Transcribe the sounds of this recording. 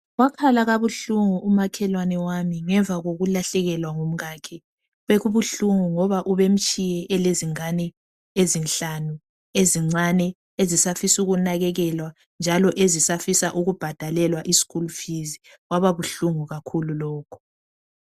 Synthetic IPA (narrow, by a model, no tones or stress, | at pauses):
ɣwakʰalaɣaβuɬuŋuumakʰɛlwanɛwamiŋɛɱb̪vʱaɣoɣulaɬɛɣɛlwaŋom̩ɣaːkʰɛ | βeɣuβuɬuŋuŋɔβaʔuβem̩t͡ʃʼijɛʔɛleziŋanɛ | ezinɬanu | eziŋ͡ǀanɛ | ezisafisuɣunaɣɛɣɛlwa | nd͡ʒʱalɔʔezisafisaʔuɣub̥ʱad̥ʱalɛlwaʔisi̥kulufizi | ɣwaβaβuɬuŋuɣakʰululɔːkʰu̥